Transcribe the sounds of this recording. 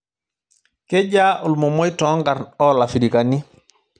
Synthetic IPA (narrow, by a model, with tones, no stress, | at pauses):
ke˦ɟa˦ʔʊ˨lmo˨mo˦jtɔ˦ŋɡa˨ɾɔ˦la˨fi˨ɾi˨kani˦